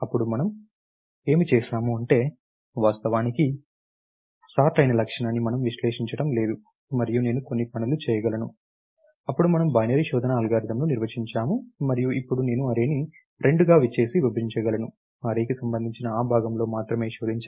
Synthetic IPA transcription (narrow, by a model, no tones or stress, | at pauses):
ɐpːuɽumɐnɐm | e̞ːmit͡ʃɛːʃaːmuɐɳʈe̞ː | ʋaːst̪ɐʋaːniki | saːʈɐjnɐlɐkʂɐɳanːimɐnɐmʋiʃleːʂiɲt͡ʃɐɽɐmle̞ːd̪u | mɐɾijune̞ːnuko̞nːipɐnulut͡ʃɛːjɐɡɐlɐnṵ | ɐpːuɽumɐnɐmbɐjnɐɾiʃɔːd̪ɐnɐːlɡaːɾid̪ɐmnuniɾʋɐt͡ʃiɲt͡ʃaːmumɐɾijuʔipːuɽune̞ːnuɐɾeːni | ɾe̞ɳɖuɡaːʋit͡ʃːe̞ːsiʋibɐɾiɲt͡ʃɐɡɐlɐnu | ɐɾeːkisɐmbɐnd̪ʱiɲt͡ʃinɐaːbʱaːɡɐmlo̞ːmaːt̪ɾɐme̞ːʃoːd̪iɲt͡ʃː